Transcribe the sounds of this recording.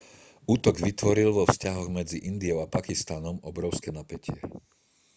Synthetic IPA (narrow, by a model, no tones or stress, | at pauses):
uːt̪ɔɡʋit̪ʋɔɾilʋɔfscaɦɔɣmɛd͡ziʔind̪iɔʊapakist̪anɔmɔbɾɔʊskɛnapɛcɪɛ